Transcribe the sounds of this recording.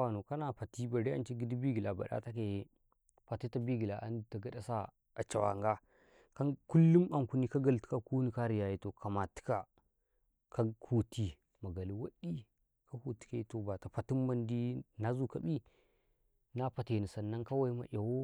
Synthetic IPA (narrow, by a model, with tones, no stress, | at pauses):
wa˨no˨ka˦na˨pa˨ti˦ba˨ɾe˦a˦nt͡ʃi˦ɡi˦di˦bi˦ɡi˨la˨ba̰˨ɗa̰˦ta˦ke˨˦ | pa˨te˦ta˦bi˦ɡi˨la˨ʔa̰˨˦n˨ta˨ɡa˨ɗa˦sa˦ | a˨t͡ʃa˨wa̰˨ŋɡa˦ | ka˦nku˦lːu˦ma˨ku˦ni˦ka˦ɡa˨lti̥˦ka˨ku˦ni˨ka˦ɾi˨ja˨ji˦to˨ka˨ma˨ti̥˦ka˨ | ka˦kʰu˦tʰi˦ | ma˨ɡa˨li˨wa˦ɗi˦ | ka˦ku˨ti̥˨ke˦to˨ba˨ta˨pa˨ti˦mːa˦ndi˦na˦zu˦ka̰˦˨bi˦ | na˦pa˨te˨ni˨sa˨nːa˦ŋka˦wa˦i˦ma̰˨ʔa˨wo˦